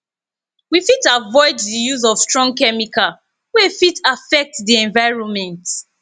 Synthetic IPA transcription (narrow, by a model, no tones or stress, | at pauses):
wifitavɔɪddijuzɔv̥stɹɔ̃ŋ̚kɛmika | wɛfitafɛk̚tdiɛ̃ɱvaɪɹɔ̃nmɛ̃nt